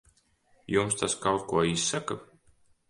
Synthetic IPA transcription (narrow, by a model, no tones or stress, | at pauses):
jumst̪askawt̪̚kuɔisːaka